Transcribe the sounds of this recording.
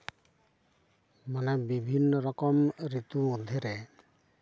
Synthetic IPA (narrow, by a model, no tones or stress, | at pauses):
manɛbibʱinːɔɾɔkɔmɾit̪uod̪ʱiɾɛ